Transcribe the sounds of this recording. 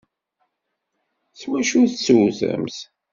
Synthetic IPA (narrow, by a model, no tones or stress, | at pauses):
swæʃuθsuwθə̰mθ